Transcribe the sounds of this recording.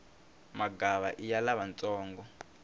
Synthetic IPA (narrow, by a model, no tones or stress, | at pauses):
maɡaβaʔijalaβant͡sʼɔːŋɡɔ